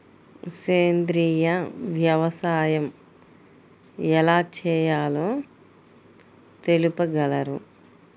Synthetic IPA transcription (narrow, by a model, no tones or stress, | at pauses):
seːnd̪ɾiːjɐʋjɐʋɐsaːjɐm | ɛlaːt͡ʃɛːjaːloː | t̪e̞lupɐɡɐlɐɾṵ